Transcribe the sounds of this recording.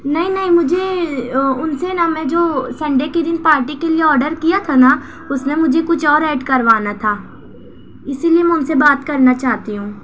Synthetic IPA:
nɐɦĩnɐɦĩmʊd͡ʒʱe | ʊnsenamɛ̃ːd͡ʒoːsɛ̃ːɳɖeked̪ɪnpaːɾʈikelieɔːɾɖəɾkijat̪ʰana | ʊsnemʊd͡ʒʱekʊt͡ʃʰɔːɾɛːɖkɐɾʋaːnat̪ʰaː | ɪsiliemɛ̃ʊnsebaːt̪kɐɾnat͡ʃaːɦt̪iɦũː

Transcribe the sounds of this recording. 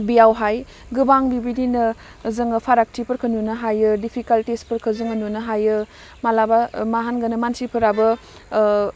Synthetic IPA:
bijawɦaj | ɡɯbaŋbibidinɐ | zɐŋɐpʰaɾak̚tʰipɐɾkʰɐnunɐɦajɯdipʰikaltispɐɾkʰɐzɯŋɐnunɐɦajɯ | malabamaɦanɡɐnɐmansipʰɐɾabɐ

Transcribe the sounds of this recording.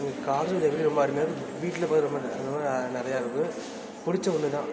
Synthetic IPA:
ŋɡɐkaːɾɾɐd̪ɐʋɪliɾɔmbɐɐɾɯmjaːkɯ | ʋiːʈːɪlɐpaːt̪ɯɾɔmbɐɐɐmaːnɪɾɐjaːɪʋɯkːɯ | pʊɽɪt͡ʃːɐ̃ʋɐnːɯt̪ãː

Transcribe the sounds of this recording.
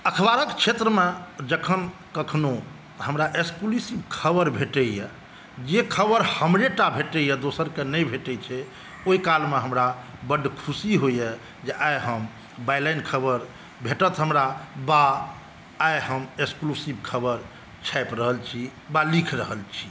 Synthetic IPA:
əkʰbaɾəkt͡ʃʰet̪ɾəmed͡ʒəkʰən | kəkʰno | həmɾaʔekskulusibkʰəbəɾbʱeʈɛjɛ | d͡ʒekʰəbəɾhəmɾeʈabʱeʈəjɛd̪osəɾkenəjbʱeʈɛt͡ʃʰɛ | oikalmeɦəmɾabəɖkʰusiɦojɛ | d͡ʒeʔajɦəm | bajlajnkʰəbəɾ | bʱeʈət̪ɦəmɾabaː | jɦəmeksklusibkʰəbəɾ | t͡ʃʰajpɾəɦəlt͡ʃʰibalikʰɾəɦəlt͡ʃʰi̥

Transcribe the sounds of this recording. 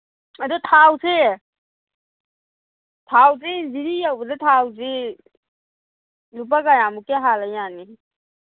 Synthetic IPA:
adutʰawse | tʰaws̬eziɾijawbadatʰawze | lup̬aɡajamukeɦalajani

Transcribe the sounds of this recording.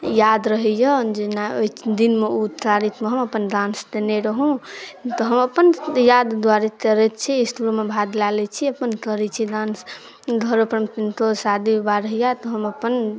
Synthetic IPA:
jad̪ɾəɦɛjɔd͡ʒenaoid̪inmeut̪aɾit̪meɦəməpənd̪ãnsd̪eneɾəɦũt̪ɔɦəməpənjad̪d̪waɾet̪əɾɛt̪t͡ʃʰiːsʈuɾomebʱad̪lalɛt͡ʃʰiəpənkəɾɛt͡ʃʰid̪ãns | ɡ̪ʱəɾopɾəmt̪int̪osad̪ibaɾəɦijat̪ɔɦəməpən

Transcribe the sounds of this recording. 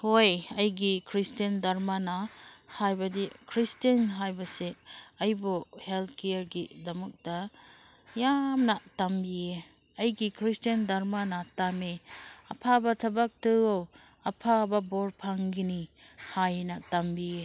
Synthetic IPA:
hojɐjɡikʰɾistɐndaɾmanɐ | hajbɐdikʰɾistɐnɦajbɐseɐjbuhelt̪ʰkeɾɡidɐmuk̚d̥ɐ | jamnɐtambie | ɐjɡikʰɾistendaɾmanɐtameɐ̰pʰabɐtʰɐbak̚tɯow | ɐpʰabɐboɾpʰaŋɡini | hajnɐtambie

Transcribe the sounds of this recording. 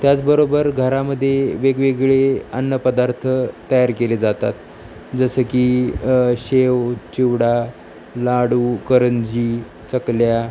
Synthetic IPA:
t̪jat͡sbəɾobəɾɡʱəɾaməd̪ʱːjeʋeɡʋeɡɭeə̰nːəpəd̪aɾt̪ʰət̪əjaɾkeled͡zat̪a̰t̪ | d͡zəsəkiːɕewt͡ɕiʋɽa | laɽuːkəɾənd͡ʑiː | t͡səklja

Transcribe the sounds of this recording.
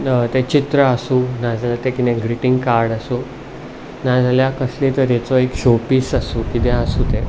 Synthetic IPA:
t̪ẽt͡ɕit̪ɾəasuːnad͡zaljat̪ekinẽɡɾiʈiŋɡkaɾɽasuː | nad͡zaljakəslit̪əɾjɛt͡sɔekɕopiːsasuːkit̪ẽasuːt̪e

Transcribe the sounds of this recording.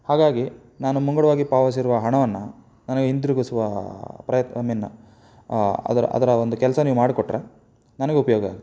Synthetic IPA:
haːɡaːɡi | naːnumuŋɡɐɽɐʋaːɡipaːʋɐs̬iɾuʋɐɦɐɳɐʋɐnːɐ | nɐnɐɡeɦind̪iɾuɡusuʋɐpɾɐjɐt̪ɐminːɐ̰ | ɐ̰d̪ɐɾɐ̰ʔɐ̰d̪ɐɾɐond̪ukɛlɐsɐniːʋumaːɽikoʈːɾe | nɐnɐɡeupɐjoːɡɐa̰ːɡi

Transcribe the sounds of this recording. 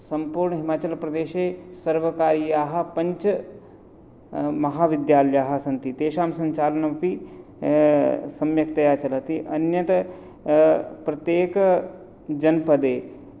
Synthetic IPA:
sɐmpuːɾɳəɦimaːt͡ʃɐlpɾɐd̪eːʃeːsɐɾʋɐkaːɾijaːɦɐ̆pɐ̃ɲt͡ʃ | mɐɦaːʋɪd̪jaːljaːɦɐsɐnt̪it̪eːʃaːmsɐ̃ɲt͡ʃaːlɐnɐmpi | sɐmjɐkt̪ɐjaːt͡ʃɐlɐt̪iʔɐnjɐt̪ɐ | pɾɐt̪jeːk | d͡ʒɐnpɐd̪eː

